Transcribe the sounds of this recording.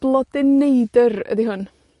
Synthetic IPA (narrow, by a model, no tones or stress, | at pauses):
b̥lˠɔdɪnejdərə̰diɦʊn